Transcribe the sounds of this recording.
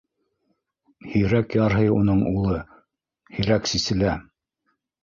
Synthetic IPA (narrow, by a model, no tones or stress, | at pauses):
hɵ̆jɾækjɑɾɦɤjunɤɴulˠɤ | hɵ̆jɾæksisɘ̆læ